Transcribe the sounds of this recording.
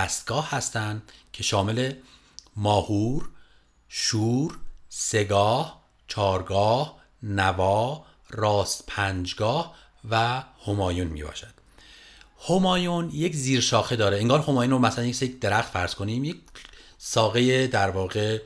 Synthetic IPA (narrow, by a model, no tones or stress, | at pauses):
æst̪̚ɡ̥ɒːhhæst̪ænd̪cʰe̞ʃɒːme̞le̞ | mɒːhuːɾ | ʃuːɾse̞ɡɒːh | t͡ʃʰɒːɾɡɒːh | nævɒːh | rɒːst̪pʰænd͡ʒɡɒːh | væhomɒːjunmḭːbɒ̰ːʃæd̪̥ | homɒːjunje̞cziːɾʃɒːxed̪ɒːɾeeŋɡɒːɾho̞mɒːjunɾomæsælænjesjed̪e̞ɾæxt̪fæɾz̥kʰo̞niːmjecsɒːɣe̞jed̪æɾvɒːɣe̞